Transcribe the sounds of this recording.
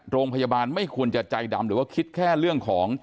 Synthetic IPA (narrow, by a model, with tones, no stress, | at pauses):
ɾoː˧ŋpʰa˧ja˧baː˧nma˥˩jkʰu˧ənt͡ɕa˨˩t͡ɕa˧jda˧mɾɯː˩˦waː˥˩kʰi˦˥t̪̚kʰɛː˥˩ɾɯ˥˩əŋkʰɔː˩˦ŋ